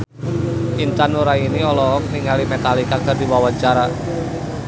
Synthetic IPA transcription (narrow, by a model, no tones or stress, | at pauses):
ʔint̪anoɾainiɔlɔɔk̚niŋalimɛt̪alikak̚d̪̥a̤rd̪i̤wawaɲt͡ʃaɾa